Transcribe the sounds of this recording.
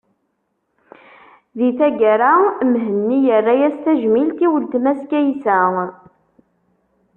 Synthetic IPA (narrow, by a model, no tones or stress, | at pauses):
ðiθæɡæɾamɦənːijərːajæst̪æʒmilt̪iwəlt̪mæskæjsæ